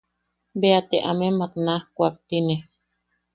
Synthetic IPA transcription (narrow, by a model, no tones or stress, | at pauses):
beat̪eʔamemak̪nahkʷak̚t̪ine